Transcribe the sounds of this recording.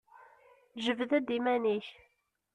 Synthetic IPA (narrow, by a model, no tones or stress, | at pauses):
ʒəvðæd̪imæniç